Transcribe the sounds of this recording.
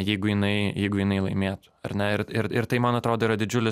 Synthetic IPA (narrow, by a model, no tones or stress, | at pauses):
jɛɪɡʊjɪnɐɪjɛɪɡʊjɪnɐɪlˠɐɪmʲeːt̪ʊ̥ɐ̰ɾnʲɛɪɾɪɾɪɾt̪ɐɪmɐnɐt̪ɾoːd̪oːiɾɐd̪ʲɪd͡ʒʲʊlʲɪ